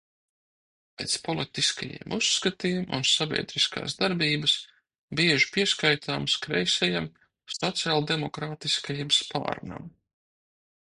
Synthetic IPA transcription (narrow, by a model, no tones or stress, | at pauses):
pʲɛːt̪spɔlˠit̪iskajḭɛmʔusːkat̪iːmʔṵnsabʲḭɛd̪ɾiska̰ːszd̪aɾbiːbəs | biɛʒi̥piɛskajt̪ʰaːmskɾɛjsʲɛjam | sɔt̪sialˠd̪emɔkɾaːt̪iskajimspa̰ːɾna̰m